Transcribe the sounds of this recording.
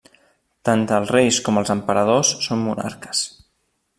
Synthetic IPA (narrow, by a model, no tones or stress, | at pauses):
t̪ant̪əlˠzrejskɔməlˠzəmpəɾəð̞osːomːuna̰ɾkə̥s